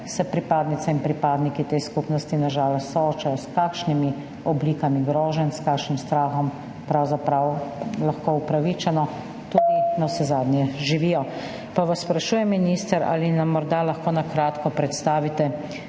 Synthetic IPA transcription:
sɛpɾipaːd̪nit̪sɛinpɾipaːd̪nikit̪ejskupnɔst̪inaʒaːlɔst̪ːɔoːt͡ʃajɔskaːkʃnimi | ɔbliːkamiɡɾɔːʒɛnskaːkʃnimst̪ɾaːxɔm | pɾawzapɾawlaxkoːupɾaʋit͡ʃɛnɔ | t̪uːd̪inasɛzaːd̪njɛʒiʋiːjɔ | paʋasːpɾaʃuːjɛmːinist̪ɛɾa̰ːlinamːɔɾd̪alaxkoːnakɾaːt̪kɔpɾɛt̪st̪aːʋit̪ɛ

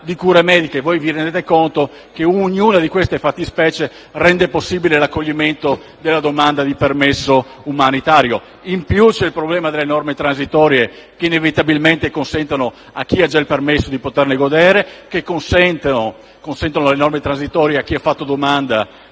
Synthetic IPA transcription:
d̪ikuːɾemɛːd̪ikevojvirend̪et̪ekont̪o | keoɲuːnad̪ikwest̪efat̪ːispɛːt͡ʃe | rɛnd̪eposːiːbilelakːoʎːiment̪o | d̪elːad̪omand̪ad̪ipermesːoumanit̪aːɾjo | impjut͡ʃɛilpɾoblɛːmad̪elːenɔrmet̪ɾansit̪ɔːɾje | keinevit̪abilment̪ekonsɛnt̪ano | a̰k̟ːiad͡ʒailpermesːod̪ipot̪erneɡod̪eːɾekekːonsɛnt̪eo | konsɛnt̪anoalenɔrmet̪ɾanzit̪ɔːɾjeak̟ːiafːat̪ːod̪omand̪a

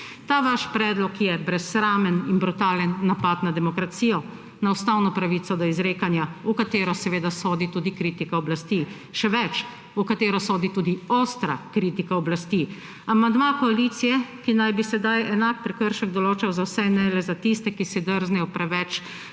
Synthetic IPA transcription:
t̪aːʋaʃpɾɛːd̪lɔkjɛbɾɛsɾaːmɛninbɾut̪aːlənːapat̪nad̪ɛmɔkɾat̪siːjɔ | naust̪awnɔpɾaʋit̪sɔd̪ɔizɾeːkanjaukat̪eːɾɔsɛʋeːd̪asoːd̪it̪uːd̪ikɾiːt̪ikaɔblast̪iː | ʃɛʋɛt͡ʃ | ukat̪eːɾɔsoːd̪it̪uːd̪ioːst̪ɾa̰kɾiːt̪ikaɔblast̪i | amand̪makɔalit̪sijɛkinajbisɛd̪ajɛnak̚pɾɛkəɾʃɛɡ̚d̪ɔloːt͡ʃawzawsɛnɛlɛzat̪ist̪ɛkisid̪əɾznɛjɔpɾɛʋɛt͡ʃ

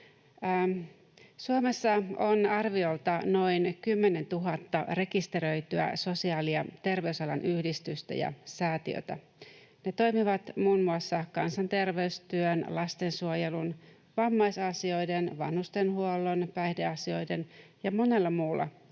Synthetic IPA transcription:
suome̞sːɑonɑrʋio̞lt̪ɑno̞inkymːene̞nt̪uɦɑt̪ːɑ̰re̞kist̪e̞ɾø̞jt̪yæ̰so̞siɑːliɑt̪e̞rʋe̞ysɑlɑnʔyhdist̪yst̪æ̰jɑ̰sæːt̪ḭø̰t̪æ̰ | net̪o̞jmiʋɑt̪muːnmuɑsːɑkɑnsɑnt̪e̞rʋe̞yst̪yønlɑst̪e̞nsuojelun | ʋɑmːɑjsɑsio̞jdenʋɑ̰nhust̪e̞nɦuolːonpæjhde̞ɑsio̞jde̞njɑmone̞lːɑmuːlːɑ̰

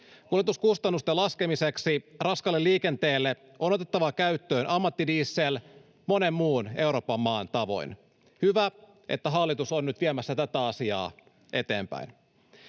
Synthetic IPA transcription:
kuljet̪uskust̪ɑnːust̪elɑskemiseksirɑskɑlːelːiːke̞nt̪eːlːe | ʔo̞not̪e̞t̪ːɑʋɑkæyt̪ːø̞ːnʔɑmːɑt̪ːidiːsːeːl | mo̞ne̞mmuːne̞uwɾo̞ːpːɑmːɑːnt̪ɑʋo̞̰jn | hyʋæ | ʔḛt̪ːæɦɑlːit̪usonnyt̪ʋiemæsːæt̪æt̪æɑsiɑ̰ː | ʔe̞t̪e̞̰ːmpæ̰in

